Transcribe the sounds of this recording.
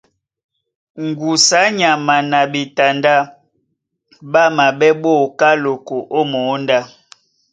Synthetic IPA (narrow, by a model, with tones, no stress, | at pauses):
ŋ̩˨ɡu˨sa˨˦ɲa˨ma˨na˨bi˨ta˨nda˦ | ba˦ma˨bɛ˦ɓo˦˨ka˦lo˨ko˨ʔo˦mo˨˦nda˦˨